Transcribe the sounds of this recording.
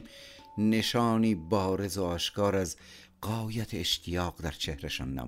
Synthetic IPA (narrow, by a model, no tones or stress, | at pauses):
neʃɑːniːbɒːɾezoɒːʃkɑːɾæz | ɢɒːjat̪ʰeːʃt̪ʰijɒːqd̪æɾt͡ʃʰehɾeʃɒ̰ːnːæ̰